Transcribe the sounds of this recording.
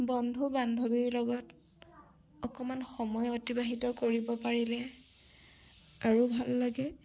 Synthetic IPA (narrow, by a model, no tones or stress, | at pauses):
bɔndʱubandʱobiɹlɔɡɔt | ɔkɔmanxɔmɔjɔtibaɦitɔkoɹibɔpaɹilɛ | aɹubʱalːaɡɛ